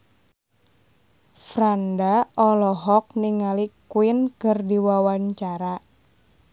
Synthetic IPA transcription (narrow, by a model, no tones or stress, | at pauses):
fɾandaʔɔlɔɦɔk̚niŋalikuɪnkərdiwawaɲt͡ʃaɾa